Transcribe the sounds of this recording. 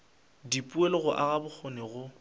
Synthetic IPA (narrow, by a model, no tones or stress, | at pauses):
dipʼuelɪɣʊʔaɣabʊk͡xʰonɪɣʊ